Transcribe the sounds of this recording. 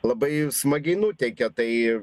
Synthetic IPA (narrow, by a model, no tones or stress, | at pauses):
lˠɐbɐɪsmɐɡʲɐɪnut̪ʲɛɪkʲɛt̪ɐɪ